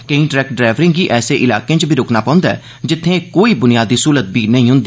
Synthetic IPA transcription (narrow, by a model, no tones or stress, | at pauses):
kə̃ĩːʈɾɛːk̚ʈ̚ɖɾaːʋɾɪ̃ŋɡiːʔɛːseːʔɪla̰ːkẽːt͡ʃbiːɾoːknaːpãːʊ̃nd̪aɛ̰ː | d͡ʒɪt̪ʰːẽːkoːiːbʊnijaːd̪ːiːsuːɾət̪̚biːnəĩːɦʊ̃nd̪iː